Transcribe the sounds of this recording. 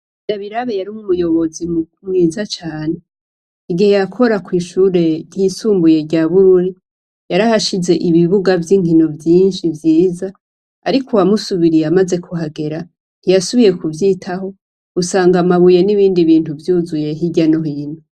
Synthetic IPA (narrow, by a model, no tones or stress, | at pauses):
daβiɾaβejaɾiumumujo̞βo̞zimukumiːzat͡ʃaːne̞ | iɡihejakʰo̞ɾakwiːʃuːɾe̞ɾjisuːmbuje̞ɟaβuɾuɾi | jaɾahaʃize̞ʔiβiβuɡavjiːŋ̥hinovjiːnʃivjiːza | aɾikʰowamusuβiɾijamaze̞kʰuɦaɡe̞ɾa | n̥ijasuβije̞kuvjiːtʰaho̞ | usaːŋɡamaβuje̞niβiːndiβiːntuvjuːzuje̞ɦiɟano̞ɦiːnu